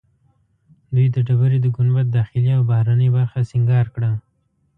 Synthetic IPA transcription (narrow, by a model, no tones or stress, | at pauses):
d̪ujd̪əɖabaɾed̪əɡʊnwat̪̚d̪ɑxɪliawbahɾanəjbaɾxasɪŋɡɑɾkɽa